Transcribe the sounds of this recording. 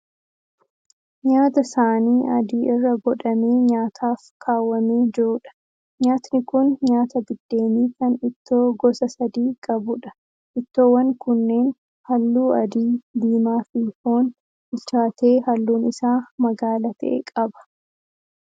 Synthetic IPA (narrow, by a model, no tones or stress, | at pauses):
ɲaːt̪ɐsaːniːʔɐd̪iːʔɪrːɐɡɔᶑɐmeːɲaːt̪ʰaːfkʰaːwːɐmeːd͡ʒɪɾᶑɐ̥ | ɲaːt̪nɪkʊnɲaːt̪ɐɡ̪ɪd̪̥ːe̞ːmiːkɐnɪt̪ːo̞ːɡɔsɐsɐd̪iːkʼɐbʊᶑɐ̥ | ʔɪt̪ːo̞ːwɐŋkʊnːe̞ːn | hɐlːuːɐd̪iːd̪iːmaːfihoːn | ɪt͡ʃaːt̪e̞ːhɐlːuːnɪsaːmɐɡaːlɐt̪ʰɐ̰ʔḛːkʼɐbɐ̥